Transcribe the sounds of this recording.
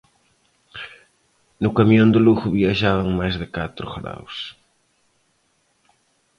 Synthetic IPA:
nʊkamiond̪ʊluɣʊβiaʒaβɐŋmajzðɪkat̪ɾʊɣɾa̰ws

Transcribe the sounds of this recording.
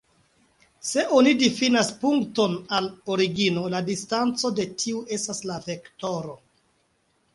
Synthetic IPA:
se̞ʔonidifinaspuŋkto̞naloɾiɡino̞ladistant͡so̞de̞tʰiue̞staslave̞kto̞ɾo̞

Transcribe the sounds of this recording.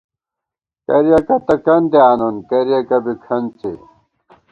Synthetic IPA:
kɐɾijɐkɐt̪ɐkɐnd̪eaːnonkɐɾijɐkɐbikʰɐnt͡sḛ

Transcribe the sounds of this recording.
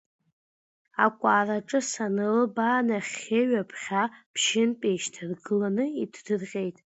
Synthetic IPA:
akʷʼaːraʈ͡ʂʼɨsanɨlbaːnaχʲeɥapʰχʲapʰʃɪnpʼeʃtʰɨrɡɨlanɨitʰdɨrqʲʼe̞jtʼ

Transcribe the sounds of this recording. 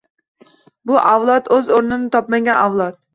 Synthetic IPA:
bʊʔawlˠɒt̪ɵzoɾnɪnɪt̪ʰɒpmaɡʲanawlˠɒt̪̚

